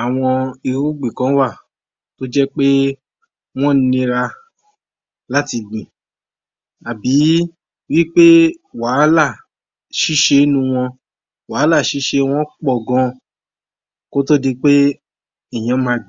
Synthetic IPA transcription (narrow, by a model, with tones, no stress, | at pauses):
a˨w̃ɔ̃˧i˧ɾu˦ɡ͡bĩ˨kã˨˦wa˦˨ | to˦d͡ʒɛ˦k͡pe˦ | w̃ɔ̃˦n̩˦nĩ˧ɾa˧ | la˦ti˧ɡ͡bĩ˨ | a˨bi˨˦ | wi˦k͡pe˦wa˨˦la˦˨ | ʃi˦ʃe˧˦nũ˧w̃ɔ̃˧ | wa˨˦la˦˨ʃi˨˦ʃe˧˦w̃ɔ̃˧˦k͡pɔ˦˨ɡɔ̃˧ | ko˦to˦di˧k͡pe˦ | i˨j̃ã˨˧˦mã˧ɡ͡b